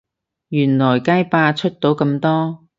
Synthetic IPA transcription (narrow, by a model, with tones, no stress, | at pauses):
jyː˨˩nlɔː˨˩jkaː˥jpaː˧t͡ʃʰɵ˥t̚t̪o˨˥wkɐ˧mt̪ɔː˥